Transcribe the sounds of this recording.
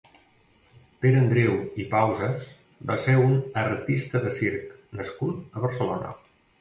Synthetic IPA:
peɾənd̪ɾewipawzəs | baseunəɾt̪ist̪əðəsiɾknəskut̪əβəɾsəlonə̰

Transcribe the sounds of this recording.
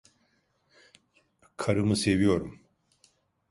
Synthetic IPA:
kʰaɾɨmɯsevijo̞ɾum

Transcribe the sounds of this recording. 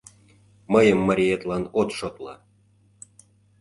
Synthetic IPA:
məjə̆mːəɾʲijet̪lɑnot̪ʃot̪lɑ̰

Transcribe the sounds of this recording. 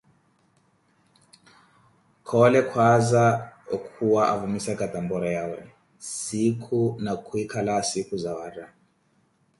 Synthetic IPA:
kʰɔlɛkʰwazaɔkʰuwaʔavumisɛkat̪ambɔɾajawɛ̰ | sikʰunakʰuikʰalasikuzawaːɾa

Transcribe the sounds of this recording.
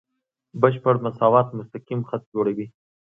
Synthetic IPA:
bəʃpəɽmasɑwɑt̪mʊst̪aqimxat̪̚d͡ʒoɽawi

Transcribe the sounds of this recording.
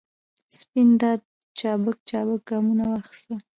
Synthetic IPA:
spind̪ɑd̪̚ | t͡ʃɑbək̚t͡ʃɑbək̚ɡɑmunawaxi̥st̪a

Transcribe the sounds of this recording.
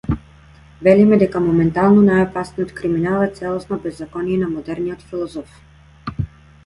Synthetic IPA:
vɛlimɛd̪ɛkamɔmɛnt̪alˠnɔnajɔpasnijɔt̪kɾiminalˠɛt̪sɛlˠɔsnabɛzːakɔnijɛnamɔd̪ɛɾnijɔt̪filˠɔzɔf

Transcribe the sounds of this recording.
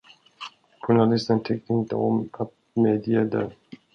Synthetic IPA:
ɧʊnalɪst̪ənt̪ʰɛk̚t̪əɪnt̪ə̰ɔmat̪̚ | med̪iəd̪ə̰

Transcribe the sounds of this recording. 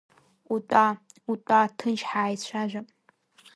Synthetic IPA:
ʊtʼa | ʊtʼaːtʰɨnt͡ʃħaːjt͡ɕʷʰaːʒʷɐpʼ

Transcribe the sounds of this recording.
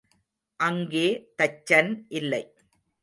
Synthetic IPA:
ʔɐŋɡeːt̪ɐt͡ʃːɐnʔɪlːɐɪ

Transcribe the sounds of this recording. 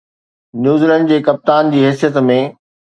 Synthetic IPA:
njuːzlə̃ɳɖd͡ʑeːkɐp̚t̪aːnd͡ʑiːɦɛːsijət̪mẽ

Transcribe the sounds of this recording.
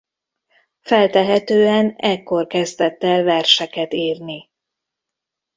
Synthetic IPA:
fɛlt̪ɛɦɛt̪øːɛnɛkːo̞rkɛzd̪ɛt̪ːɛlvɛrʃɛkɛt̪iːrni

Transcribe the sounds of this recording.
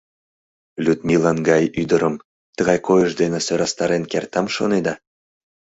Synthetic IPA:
lʲyt̪milɑnɡɑjyd̪əɾəm | t̪əɣɑjkojəʃd̪enĕsøɾɑst̪ɑɾenkert̪ɑmʃo̰ned̪ɑ

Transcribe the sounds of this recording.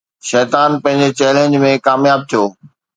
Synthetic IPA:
ʃɛːt̪aːnpɐ̃ɦɪ̃ɲd͡ʑet͡ɕɛːlẽːɲd͡ʑmẽkaːmjaːb̚t̪ʰijoː

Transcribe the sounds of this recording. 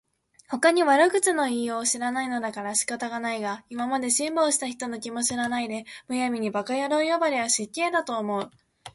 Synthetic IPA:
ho̞kaɲ̟iβaɾɯ̟kɯ̟t͡sɨno̞iːjo̞ːɕiɾanaino̞d̪akaɾaɕi̥kat̪aɡanaiɡaimamad̪e̞ɕĩmbo̞ːɕi̥t̪açi̥t̪o̞no̞kʲimo̞ɕiɾanaid̪e̞mɯ̟jamʲiɲ̟ibakajaɾoːjobaɾeβaɕikʲːe̞ːd̪at̪o̞ːmo̞ɯ̟

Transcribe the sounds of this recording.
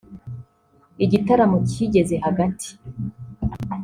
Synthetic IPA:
iɟitaɾamociɟe̞ze̞haɡatʰi̥

